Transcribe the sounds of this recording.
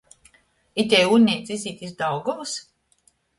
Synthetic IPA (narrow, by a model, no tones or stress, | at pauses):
it̪ʲɛjunʲnʲiːt̪sʲizʲiːt̪ʲizd̪awɡɔvus